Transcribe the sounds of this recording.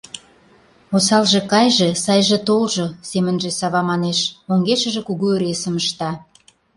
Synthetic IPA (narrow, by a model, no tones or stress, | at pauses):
osɑlʒĕkɑjʒesɑjʒĕt̪olʒosemənʒesɑβɑmɑneʃoŋɡeʃə̆ʒĕkuɣueɾesə̆məʃt̪ɑ